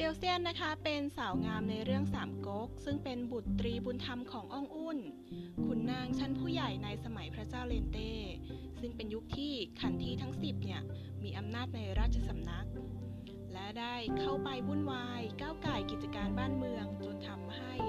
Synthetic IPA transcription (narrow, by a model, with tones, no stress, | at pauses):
teː˧wsi˥˩ənːa˦˥kʰa˦˥pe˧nsaː˩˦wŋaː˧mna˧jɾɯ˥˩əŋsaː˩˦mko˦˥k̚sɯ˥˩ŋpe˧nbu˨˩t̪ːɾiː˧buː˧nt̪ʰa˧mkʰɔː˩˦ŋʔɔ˥˩ŋʔuː˥˩n | kʰu˧nːaː˥˩ŋt͡ɕʰa˦˥npʰuː˥˩ja˨˩jna˧jsa˧ma˩˦jpʰɾa˦˥t͡ɕaː˥˩wleː˧nt̪eː˥˩ | sɯ˥˩ŋpe˧nju˦˥k̚t̪ʰiː˥˩kʰa˧nt̪ʰiː˧˩t̪ʰa˦˥ŋsi˨˩p̚ni˥˩ɐ | miː˧ʔa˧mnaː˥˩t̪̚na˧jɾaː˥˩t̪̚t͡ɕʰa˧sa˧mna˦˥k̚ | lɛ˦˥daː˥˩jkʰa˥˩wpa˧jbu˧˥˩nwaː˧jkaː˥˩wkaː˨˩jki˨˩t̪̚t͡ɕa˧kaː˧nbaː˥˩nmɯ˧əŋt͡ɕo˧nt̪ʰa˧mha˥˩j